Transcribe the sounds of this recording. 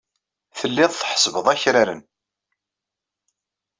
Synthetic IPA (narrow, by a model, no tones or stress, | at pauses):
θəlːɪðˤθħə̥svəðˤæçɾaɾən